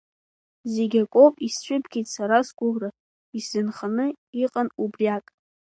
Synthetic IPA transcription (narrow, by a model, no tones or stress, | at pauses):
zeɡʲakʷʼopʼisʃʷᶣʊbɡʲijtʼsaɾasɡʷʼʊlra | iszɨnχanɨ | iqʼanubriakʼ